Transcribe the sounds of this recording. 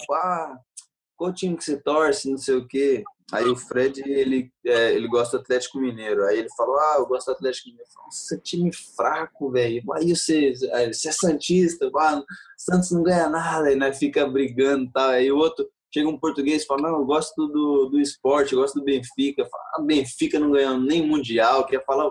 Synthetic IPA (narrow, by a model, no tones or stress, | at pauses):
a | kwaʊt͡ʃĩmɪkɪ̥set̪ɔɾsɪnɐ̃w̃sejʊkea̰iʊfɾɛd͡ʒɪelɪɛelɪɡɔst̪d̪ʊat̪lɛt͡ʃɪ̥kʊmineɾʊaielɪfaloaewɡɔst̪d̪ʊat̪lɛt͡ʃi̥kʊmĩneɾʊfa̰lset͡ʃĩmɪfɾakʊvɛjʊaiʊseasɛsɐ̃nt͡ʃist̪ɐasɐ̃t̪ʊsznɐ̃w̃ɡɐ̃ɲanad̪ɐinɛfikɐbɾiɡɐ̃d̪ʊt̪awiaiʊot̪ɾʊ | ʃeɡɐũpoɾt̪uɡesfalɐnɐ̃w̃ewɡɔst̪ʊd̪ʊd̪ʊd̪ʊɪspɔɾt͡ʃɪɡɔst̪ʊd̪ʊbẽfikɐfa̰la̰bẽfikɐnɐ̃w̃ɡɐ̃ɲ̃ɐ̃nd̪ʊnẽj̃mũd͡ʒiawkɪɾiɐfalaʊ